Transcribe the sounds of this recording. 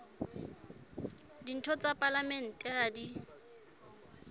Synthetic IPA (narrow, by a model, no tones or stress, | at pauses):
din̩tʰɔt͡sʼapʼalamɛn̩tʼɛaːdi